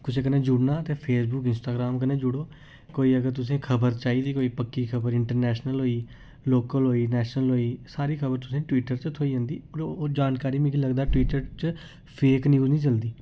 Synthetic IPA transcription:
kʊt͡ʃʰẽkəneːd͡ʒʊɽnaːət̪ẽːpʰeːsbʊːkɪnsʈaːɡɾaːmkənẽːd͡ʒʊɽoː | koːiːəɡəɾt̪ʊsẽːkʰəbəɾt͡ʃaːiːd̪iːkoːiːpəkːiːkʰəbəɾɪɳʈəɾnɛːʃnəlɦoːiː | loːkəlɦoːiːnɛːʃnəlɦoːiːsaːɾiːkʰəbəɾt̪ʊsẽːʈwiːʈəɾt͡ʃət̪ʰoːiːə̃ːnd̪iːəɾːd͡ʒaːnkaːɾiːmĩkiləɡd̪aːʈwiːʈəɾt͡ʃə | pʰeːknjuːznĩːt͡ʃəld̪iː

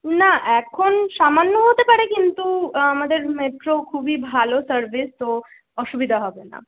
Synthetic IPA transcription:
naʔɛkʰonʃamanːoɦot̪epaɾekint̪uamad̪eɾmeʈɾokʰubibʱalosəɾbist̪o | ɔʃubid̪ʱaɦɔbena̰

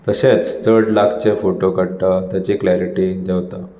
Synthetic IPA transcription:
t̪əɕet͡st̪əɽlakʰt͡ɕefoʈokəɽʈ̪ət̪jat͡ɕiklaɾiʈid͡ʑeʋt̪ə

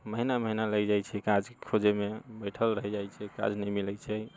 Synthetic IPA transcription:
məɦinaməɦinaləjd͡ʒajt͡ʃʰɛkad͡ʒkʰod͡ʒemebəjʈʰəlɾəɦɛd͡ʒajt͡ʃʰɛka̰d͡ʒnəjmilɛjt͡ʃʰɛ

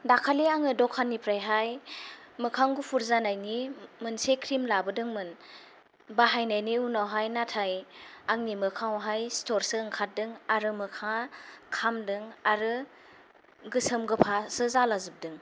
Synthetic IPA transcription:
dakʰaleaŋɯdɔkʰanːipʰɾajɦaj | mɯkʰaŋɡupʰuɾzanajnimɯnsekʰɾimlabɯdɯŋmɯn | baɦajnajniunawɦajnatʰajaŋnimɯkʰawɦajstɔɾsɯːŋkʰat̚dɯŋaɾɯmɯkʰakʰamdɯŋaɾɯ | ɡɯsəmɡɯpʰasɯzalazɯp̚dɯŋ

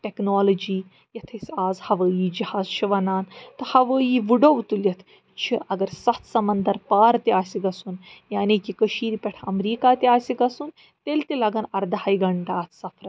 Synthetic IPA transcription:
ʈeknoːlɐd͡ʒiː | jɐt̪ʰɐsʲaːzhɐʋəːjiːd͡ʒihaːzt͡ʃʰiʋɐnaːnt̪ɨhɐʋəːjiːʋuɖoʋt̪ulʲɐt̪ʰ | t͡ʃʰiʔɐɡɐɾsɐt̪ʰsɐmɐnd̪ɐɾpaːɾt̪iaːsʲiɡɐsunjaːnikikɐʃiːɾipɐʈʰɐmɾiːkaːt̪iaːsiɡɐsun | t̪elt̪ilɐɡɐnɐɾd̪ɐhaːiɡɐɳʈaːt̪ʰsɐpʰɾɐt̪

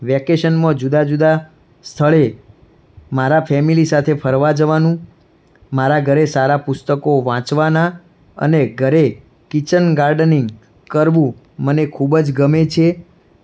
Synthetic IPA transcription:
ʋɛkeʃənmə̃d͡ʒud̪ad͡ʒud̪a | st̪ʰəɭe | maɾapʰɛmilisat̪ʰepʰəɾʋad͡ʒəʋanũ | maɾaɡʱəɾesaɾapʊst̪əkoʋãt͡ʃʋana | ə̰neɡʱəɾe | kit͡ʃənɡaɾɖəniŋɡ | kəɾʋũ | mənekʰubd͡ʒɡəmet͡ʃʰe

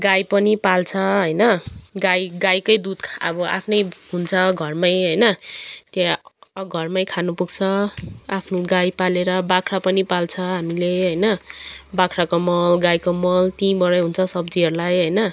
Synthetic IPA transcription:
ɡajpʌnipalt͡sʰʌɦʌjnʌɡajɡajkʌjd̪ud̪kʰʌ̰bʌʔa̰pʰnʌjɦunt͡sʰʌɡʱʌrmajɦʌjnʌt̪jaɡʱʌrmajkʰanupuɡt͡sʰʌapʰnuɡajpaleɾʌbakʰrapʌnipalt͡sʰʌɦamileɦʌjnʌbakʰɾakomʌlɡajkomʌlt̪inbʌɾʌɦunt͡sʰʌsʌbd͡ziɦʌɾulajɦʌjnʌ

